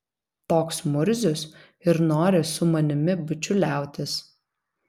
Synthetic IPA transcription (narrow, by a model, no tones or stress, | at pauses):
t̪oːksmʊɾʲzʲʊs | ɪɾnoːɾʲɪsʊmɐnʲɪmʲɪbʊt͡ʃʲʊlʲæˑʊt̪ʲɪs